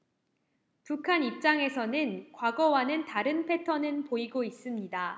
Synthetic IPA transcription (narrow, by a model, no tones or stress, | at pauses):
pukʰanip̚t͡ɕ͈aŋe̞sʰʌnɯnkwaɡʌwanɯntaɾɯnpʰe̞tʰʌnɯnpoiɡois͈ɯmɲida